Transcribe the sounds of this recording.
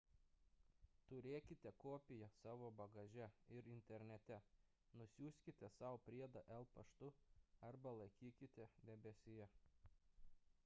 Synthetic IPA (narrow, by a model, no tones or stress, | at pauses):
t̪ʊɾʲeːkʲɪt̪ʲɛkoːpʲɪjɛsɑːʋoːbɐɡɐʒʲɛɪɾɪnʲt̪ʲɛɾʲnʲɛt̪ʲɛ | nʊsʲuːsʲkʲɪt̪ʲɛsɑˑʊpʲɾʲiɛd̪ɐʔɛlˠpɐʃt̪ʊɐɾbɐlˠɐɪkʲiːkʲɪt̪ʲɛd̪ʲɛbʲɛsʲɪjɛ